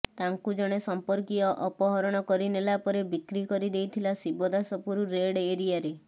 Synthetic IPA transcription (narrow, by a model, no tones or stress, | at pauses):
t̪aŋkud͡ʒɔɽ̃esɔmpɔɾkiɔʔɔpɔɦɔɾɔɽ̃ɔkɔɾinelapɔɾebikɾikɔɾid̪ejt̪ʰilasibɔd̪asɔpuɾuɾeɽeɾijaɾe